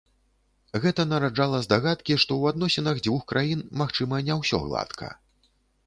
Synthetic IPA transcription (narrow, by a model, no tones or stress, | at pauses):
ɣɛt̪ɐnɐɾad͡ʐalˠɐzd̪aɣat̪kʲiʂt̪ɔwad̪nɔsʲinɐɣd͡zʲvuxkɾʔajinmaxt͡ʂɨmɐnʲawsʲɔ̰ɣlˠa̰t̪kʰɐ̰